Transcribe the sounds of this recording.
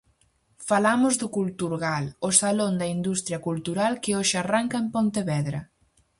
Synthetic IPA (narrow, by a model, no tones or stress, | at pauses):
falamʊzðʊkult̪uɾɣalʊsalond̪ɐind̪ust̪ɾjɐkult̪uɾalkɪoʃɪaraŋkɐempõnt̪eβɛðɾɐ